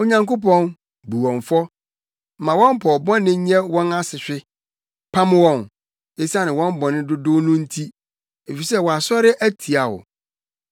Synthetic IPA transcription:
o˦ɲã˦ŋko˦pɔ̃˦n | bu˨wɔ̃˨ɱfɔ˦˨ | mã˨wɔ̃˦m˦pʰɔ˨bɔ̃˦nːɪ̃˦ɲ˦ɛ̃˦wɔ̃˦na˦sɪ˨ɕᶣɪ˦ | pʰã˦m˦wɔ̃˦n | e˦sa˦nɪ̃˨wɔ̃˦m˦bɔ̃˨nɪ̃˦dʊ˦dʊ˦nũ˦n̩˦tʰi˦ | e˨fi˨sɛ˦wɔ˨a˨sɔ˦ɾɪ˦ʔæ˦tʰi˨a˨wʊ̰˨

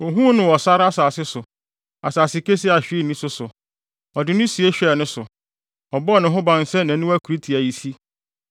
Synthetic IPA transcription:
o˨ɦũ˦nʊ̃˨wɔ˨sa˦ɾa˦saː˨sɪ˦sʊ˨ | a˨saː˨sɪ˦ke˦si˦a˨ɕᶣi˦˨nĩ˦sʊ˨sʊ˨ | ɔ˨dɪ˨nʊ̃˦si˨e˦ɕᶣɛ˦˨nʊ̃˦sʊ˨ | ɔ˨bɔ˦˨nʊ̃˨ɦʊ̃˦bã˨n˨sɛ̃˦nã˨nʊ̃˦æ˦kʰu˨ɾi˦tʰi˨æ˨ji˨si˦

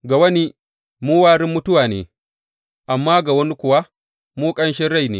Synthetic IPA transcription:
ɡa˨wɐ˦ni˦ | muː˦waː˦ɽɪ˦mːʊ˦tʊ˦waː˨nḛː˨ | ʔa˨mːaː˦ɡa˨wɐ˦ni˦kʷʊ˨wa˦ | muː˦kʼɐ˦nʃ̬ɛ˦ɽa˦˨jnḛː˦

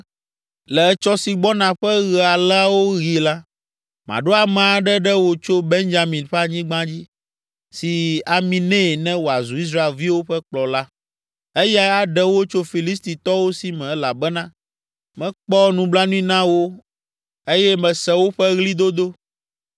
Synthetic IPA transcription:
lɛ˨˦t͡ʃɔ˦si˨ɡ͡bɔ˦nã˨ɸɛ˦ɣɛ˨a˨lwo˦ɣi˨la˦ | mã̰˨ɖo˦a˨mɛ̃˨a˨ɖɛ˦ɖɛ˦wo˨t͡ʃo˦be˦nd͡ʒa˨mĩ˨nɸɛ˦a˨ɲĩ˦ɡ͡bã˦d͡ʑi˦ | si˨a˨mĩ˨nɛ̃˦˨nɛ̃˦wo˨a˨zu˨i˦s̬ɾa˦e˨lvi˦wo˦ɸɛ˦k͡plɔ˨la˦ | e˦ja˦a˨ɖɛ˦wo˦t͡ʃo˦fi˨li˦st̪i˨t̪ɔ˦wo˦si˨mɛ̃˨˦la˨bɛ˦nã˦ | mɛ̃˦k͡pɔ˦nũ˨bla˦nũ˦i˦nã˦wo˦ | e˦jɛ˦mɛ̃˨sɛ˦wo˦ɸɛ˦ɣli˦d̪o˦d̪o˦

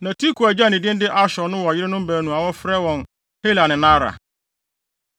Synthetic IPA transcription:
nã˨tʰi˦kʰu˨æ˨d͡ʑa˦˨nɪ̃˨dɪ̃˦n˦dɪ˦ʔa˦ɕɔ˨nʊ̃˦wɔ˨a˨jɪ˦ɾɪ˦nʊ̃˦m˦bæː˨nũ˨a˨wɔ˦fɾɛ˦wɔ̃˨n | he˦la˨nɪ̃˨nã˦ɾa̰˨

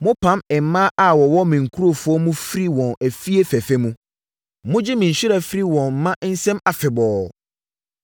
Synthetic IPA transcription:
mʊ̃˦pʰã˦mɛ˨mã˦ʔa˨wɔ˨wɔ˦mĩ˨ŋ̩˨kʰu˦ɾo˦˨fʊ˦ɔ˦mũ˦fi˦ɾi˦wɔ̃˨næ˨fi˦e˦fæ˨fɛ˦mũ˦ | mʊ̃˦d͡ʑɪ˦mĩ˨ɲ̩˨ɕᶣi˦ɾa˨fi˦ɾi˦wɔ̃˨nm̩˨˦mã˦ʔn̩˦sɛ̃˦ma˨fɪ˨bɔː˨

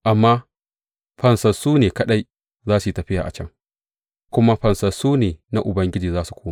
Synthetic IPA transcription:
ʔa˨mːaː˦ | ɸɐ˨nsɐ˨suː˦neː˨kɐ˦ɗa˦j | zaː˦su˨i˨tɐ˨ɸɪ˦ja̰ː˨ʔa̰˨t͡ʃɐ˦ŋ | kʷʊ˦ma˦ɸɐ˨nsɐ˨suː˦neː˨na˦ʔʊ˨bɐ˦ŋɡʲɪ˦d͡ʒiː˨zaː˦su̥˨kʷoː˦mː˦

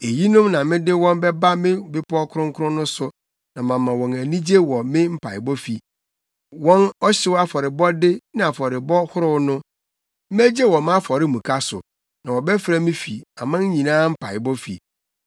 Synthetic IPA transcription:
e˨ji˦nʊ̃˦mnã˨mɪ̃˦dɪ˦wɔ̃˦nbɛ˦ba˦mɪ̃˦bɪ˦pʰɔ˦kʰʊ˦ɾʊ̃˦ŋ˦kʰʊ˦ɾʊ̃˦nʊ̃˦sʊ˨ | nã˨mã˨mːã˨wɔ̃˨næ˨nĩ˦d͡ʑe˦wɔ˨mɪ̃˦m̩˦pʰa˨ɪ˨bɔ˦fi˨ | wɔ̃˦nɔ˦ɕɪ˦wa˦fɔ˨ɾɪ˨bɔ˦dɪ˦nɪ̃˦a˨fɔ˨ɾɪ˨bɔ˦hʊ˦ɾʊ˦wnʊ̃˦ | m̩˦æ˦d͡ʑe˦wɔ˨mã˦fɔ˨ɾɪ˦mũ˨kʰa˦sʊ̰˨ | nã˨wɔ˨bɛ˦fɾa˦mɪ̃˦fi˨a˨mã˦ɲ˦ɲĩ˨nãː˦m̩˦pʰa˨ɪ˨bɔ˦fḭ˨

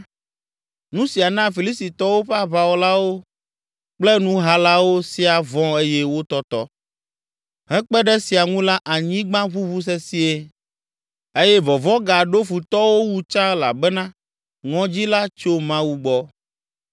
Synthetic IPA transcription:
nũ˦si˨a˨nã˦fi˨li˦sti˨t̪ɔ˦wo˦ɸɛ˦a˦βa˨wo˦la˦wo˦ | k͡plɛ˦nũ˦ɦa˦la˦wo˦si˨a˨vɔ̃˦e˦jɛ˦wo˦t̪ɔ˦t̪ɔ̰˦ | ɦɛ̃˦k͡pɛ˦ɖɛ˦si˨a˨ŋũ˦la˦ʔa˨ɲĩ˦ɡ͡bã˦βu˦βu˦s̬ɛ˦si˦e˦ | e˦jɛ˦vɔ˨vɔ̃˦ɡa˨ɖo˦fu˨t̪ɔ˦wo˦wu˦t͡ʃã˦la̰˨bɛ˦nã˦ | ŋɔ̃˦d͡ʑi˦la˦t͡ʃo˦mã˦wu˦ɡ͡bɔ˦

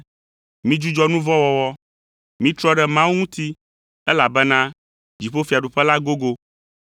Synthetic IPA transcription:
mĩ˦d͡ʒu˦d͡ʒɔ˦nũ˦vɔ˦wɔ˨wɔ˦ | mĩ˦t̪ɾɔ˦ɖɛ˨mã˦wu˦ŋũ˦t̪i˦ | ɛ˦la˨bɛ˦nã˦ | d͡ʑi˨ɸo˦fi˨a˨ɖu˨ɸɛ˦la˦ɡo˦ɡo˦

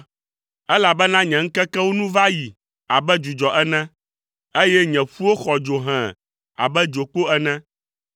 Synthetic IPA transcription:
ɛ˦la˨bɛ˦nã˦ɲɛ̃˨ŋ̩˦kɛ˦kɛ˦wo˦nũ˦va˦ji˨ | a˨bɛ˦d͡ʒu˨d͡ʒɔ˨ʔɛ˦nɛ̃˦ | e˦jɛ˦ɲɛ̃˨ɸu˦wo˦xɔ˨d͡ʒo˨ɦɛ̃˨ | a̰˨bɛ˦d͡ʒo˨k͡po˦ɛ˦nɛ̃˦

